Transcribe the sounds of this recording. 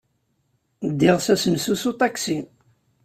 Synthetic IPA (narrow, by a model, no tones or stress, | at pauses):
d̪ːɪʁsæsəmsusut̪ˤɑksi